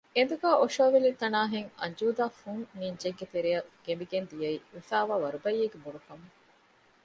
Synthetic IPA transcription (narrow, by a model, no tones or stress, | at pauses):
end̪uɡaːʔoʃoːʋelit̪ːɐnaːɦeŋɐ̰ɲd͡ʒuːd̪aːfunniɲd͡ʒeɡɡet̪eɾijɐɡ̥emiɡend̪ijɐiʋifaːʋaːʋɐɾubɐjːeːɡebuɽukɐmu